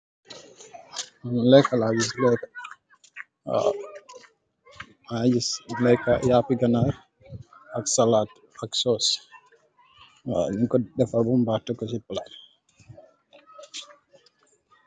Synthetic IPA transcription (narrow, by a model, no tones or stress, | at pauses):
lɛkalaːd͡ʒis̬lɛka | ad͡ʒislɛjkajaːpiɡanaɾ | aksalaːt | aksɔs | niŋkɔɗɛfabumbaːtːakɔsipːala